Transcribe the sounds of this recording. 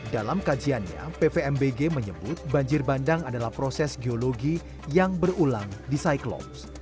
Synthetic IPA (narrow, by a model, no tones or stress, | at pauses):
dalamkad͡ʒianɲa̰pepeɛmbeɡeməɲəbʊt̪̚baɲd͡ʒɪrbandaŋadalahpɾosɛsɡeoloɡi | jaŋbərulaŋdisajklɔ̰ps